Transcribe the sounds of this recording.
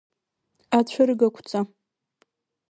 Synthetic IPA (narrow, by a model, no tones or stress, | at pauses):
at͡ɕʷʰaɾɡakʷʰt͡sʼa